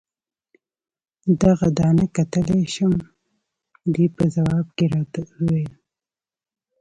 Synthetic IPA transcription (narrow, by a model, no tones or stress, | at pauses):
d̪aɣad̪ɑnəkat̪əleʃon | d̪ipəzawɑb̚keɾɑt̪awel